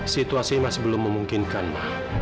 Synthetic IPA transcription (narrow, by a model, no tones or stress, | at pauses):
sit̪uasimasibəlʊmːəmuŋkinkanla̰h